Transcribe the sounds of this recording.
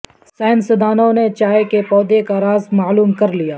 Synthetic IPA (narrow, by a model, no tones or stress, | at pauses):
sɛːnsɪd̪aːnõnet͡ʃaːekepɔːd̪ekaɾaːzmaːluːmkɐɾlijaː